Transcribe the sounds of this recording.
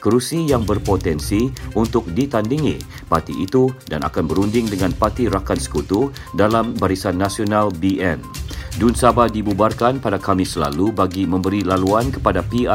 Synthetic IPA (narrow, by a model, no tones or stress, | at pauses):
kəɾusijaŋbərpot̪ɛnsiunt̪ʊk̚dit̪andiŋḭ̃ | pat̪iit̪uda̰na̰kanbəɾundɪŋdəŋãnpat̪iɾakansə̥kut̪u | dalambaɾisanːasionãlbiɛndunsabadibubarkanpadakamɪsəla̰lubaɡimə̃mbəɾilaluankə̥padapia